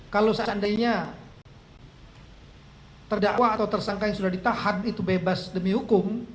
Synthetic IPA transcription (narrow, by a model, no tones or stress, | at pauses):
kalowsaandajɲa | t̪ərdaʔwaːt̪awt̪ərsaŋkajaŋsudahdit̪ahanit̪ubebasdəmiɦukʊm